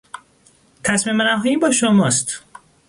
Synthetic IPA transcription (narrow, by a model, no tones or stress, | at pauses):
t̪ʰæsmimenæɦɒːjiːbɒːʃomɒːst̪